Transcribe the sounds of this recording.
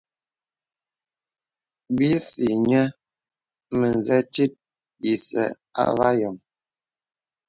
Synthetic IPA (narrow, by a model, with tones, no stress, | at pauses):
bi˦si˨ɲɛ˦ | mə˨n˨zɛ˦t͡ʃi˦t̚ | i˨sɛ̰˨ | a̰˦va˦jɔ˨m